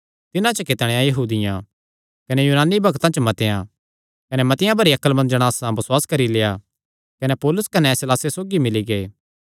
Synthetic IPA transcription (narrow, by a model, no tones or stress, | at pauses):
t̪ɪnãt͡ʃəkɪt̪ɽ̃ẽjãjɐɦuːd̪ɪjã | kɐnejuːnaːnːibʱɐɡt̪ãt͡ʃmɐt̪ejã̰ | kɐnɛmɐt̪ɪjãbʱɐɾiɐkəlmɐ̃nd͡ʒəɽ̃aːsãbɐswaːskɐɾileːja | kɐnepɔːlʊskɐnesɪlaːsesoːɡimɪliɡeː